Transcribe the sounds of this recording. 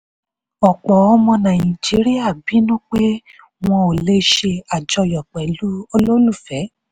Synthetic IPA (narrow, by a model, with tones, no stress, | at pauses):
ɔ˨k͡pɔ˨ɔ˧mɔ̃˧nã˨ĩ˨d͡ʒi˨˦ɾi˦a˦˨bi˨˦nũ˦k͡pe˦ | w̃ɔ̃˧o˨le˦ʃe˧a˨d͡ʒɔ˧jɔ˨k͡pɛ˨lu˦o˧lo˦lu˦˨fɛ˨˦